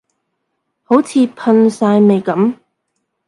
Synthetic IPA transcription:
ho˨˥wt͡sʰiː˨˧pʰɐ˧nsaː˧jme˨jkɐ˨˥m

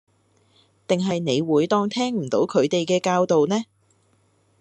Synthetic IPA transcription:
t̪ɪ˨ŋɦɐ˨jne˨˧jwuː˨˥jt̪ɔː˧ŋt̪ʰɛː˥ŋm̩˨˩t̪o˨˥wkʰɵ˨˧ɥt̪e˨jkɛː˧kaː˧wt̪o˨wnɛː˥

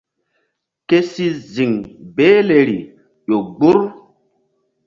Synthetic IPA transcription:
ke˦si˦zi˨ŋbeː˦le˨ɾi˨ | ʄo˨ɡ͡bu˦ɾ

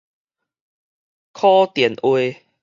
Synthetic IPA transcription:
kʰɔ˦t̪jɛ˨˩˦nʔwe˧

